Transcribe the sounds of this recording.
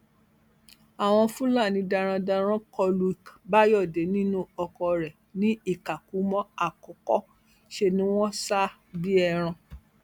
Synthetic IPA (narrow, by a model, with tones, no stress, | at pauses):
a˨w̃ɔ̃˧fũ˦la˦˨nĩ˨˧da˧ɾ̃ã˧da˧ɾ̃ã˦kʰɔ˧lu˧˦i˨kba˦jɔ˦˨de˨˦nĩ˦nũ˦ɔ˧kɔ˧ɾɛ˨ | nĩ˦i˦˨ka˨ku˨˦mɔ̃˦a˨kɔ˨˦kɔ˦ | ʃe˧nĩ˦w̃ɔ̃˦sa˦ | bi˦ɛ˧˨ɾ̃ã˧